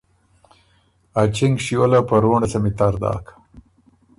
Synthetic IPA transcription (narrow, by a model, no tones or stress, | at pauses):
at͡ʃɪŋɡʂiwəlapəɾoɳasamit̪aɾd̪ɑ̰ːkʰḁ